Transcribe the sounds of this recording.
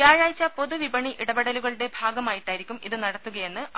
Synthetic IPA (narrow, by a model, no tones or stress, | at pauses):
aːɻaːjt͡ɕːɐpo̞ðuʋibɐɳiʔiɽɐbeɽɐluɣɐɭuɽe̞bʱaːɡɐmaːjiʈːaːjiɾikʲːumiðɨnɐɽɐt̪ːuɣɐje̞nːɨ